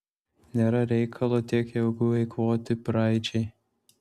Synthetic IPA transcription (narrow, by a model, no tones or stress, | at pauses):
nʲeːɾɐɾʲɛɪkʰɐlˠoːt̪ʲiɛkjɛʊɡʊʋʲɐɪkʋoːt̪ʲɪpɾɑˑɪt͡ʃʲɛɪ